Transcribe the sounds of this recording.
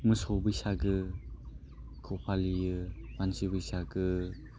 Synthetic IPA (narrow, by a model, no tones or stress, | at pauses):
mɯsɔbɯjsaɡɯ | kʰɔpʰalijɯmansibɯjsaɡɯ